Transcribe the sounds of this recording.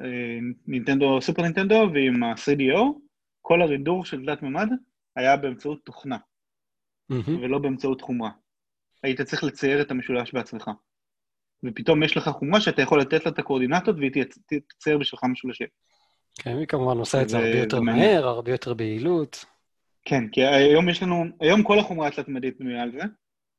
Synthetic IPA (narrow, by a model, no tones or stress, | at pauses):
enintendosupeʁnint̪endo̞veimasidio | kʰo̞laʁiduʁʃellatmemad | ajabe̞emt͡saut̪ːoχna | m̩velo̞be̞emt͡sautχumʁa | ait̪at͡sʁiχlet͡saje̞ʁetameʃulaʃbeat͡smeχa | ve̞pito̞mjeʃleχaχumʁaʃeat̪ajaχo̞lːat̪et̪lat̪ako̞ːʁd̪inatotveittt͡sajebiʃilχameʃulaʃit | kʰenikamuvanosaezeaʁbejovemeeʁaʁbejo̞t̪ʰeʁbeilut̪ | kʰe̞nkiajo̞mjeʃlanuajo̞mko̞laχumʁat̪latmadit̚bimialze